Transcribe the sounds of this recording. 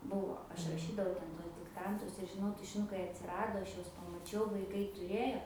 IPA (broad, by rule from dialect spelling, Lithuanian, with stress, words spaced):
ˈbʊʋoː ˈɐʃ rɐˈʃʲiːdɐʋɐʊ ˈtʲɛn ˈtuɔs dʲɪkˈtɐntʊs ɪr ʒʲɪˈnɐʊ tʊʃʲɪˈnʊkɐɪ ɐtʲsʲɪˈrɑːdoː ˈɐʃ ˈjuɔs pɐmɐˈt͡ʃʲɛʊ ʋɐɪˈkɐɪ tʊˈrʲeːjoː